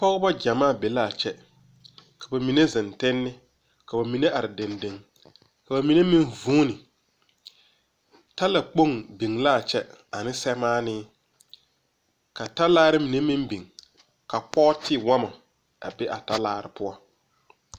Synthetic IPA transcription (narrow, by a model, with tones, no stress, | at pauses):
pɔ˦ɣɪ˦ba˦d͡ʒa˨maː˦˨be˨la˦˨t͡ʃɛ˦ | kʰḁ˨ba˨mi˨ne˦zɪ˨ntɪ˦nːɪ˦ | ka˨ba˨mi˨ne˦ʔa˨ɾɪ˨dɪ˨nde˨ŋ | ka˨ba˨mi˨ne˦mĩ˦nvuː˦nɪ˨ | ta˦la˨k͡po˦ŋbi˨ŋla˦˨t͡ʃɛ˦ | a˨nɪ˦sɛ˦maː˦nɪː˦ | ka˨ta˦laː˦ɾɪ˦mi˨ne˦mɪ˦mbi˨ŋ | ka˨pɔ˦tʰɪ˦wa˦ma˨ | a̰˨bɛ˦ʔa˨ta˦laː˦ɾɪ̰˨pʊ˦ɔ˦